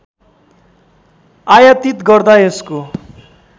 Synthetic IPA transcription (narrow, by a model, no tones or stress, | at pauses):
ajat̪it̪ɡʌrd̪aesko